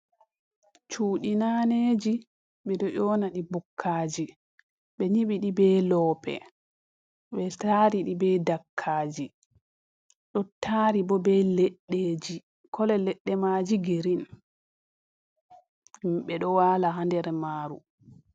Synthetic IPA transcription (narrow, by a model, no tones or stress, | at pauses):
t͡ʃuːɗinaneːd͡ʒi | ɓɛɗɔʔɔːnaɗibukʰːaːd͡ʒi | ɓɛɲiɓiɗibɛːlɔːpɛ̰ | ɓɛtaːɾiɗibɛːdakʰːaːd͡ʒi | ɗɔtʰaːɾibɔbɛlɛɗːeːd͡ʒi | kʰɔlɛlɛɗːɛmaːd͡ʒiɡiɾin | ɓɛɗɔwalaɦandɛɾɛmaːɾṵ